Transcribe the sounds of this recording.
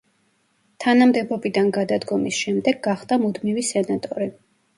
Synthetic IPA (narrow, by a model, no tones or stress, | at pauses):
t̪ʰanamd̪ɛbɔbid̪anɡad̪ad̪ɡɔmisʃɛmd̪ɛɡɡaχd̪amud̪mivisɛnat̪ʼɔɾi